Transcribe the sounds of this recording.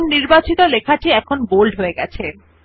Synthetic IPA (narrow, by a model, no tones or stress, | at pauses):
nniɾbat͡ɕit̪olekʰaʈiɛkʰonbolɖɦoeɡɛt͡ɕʰe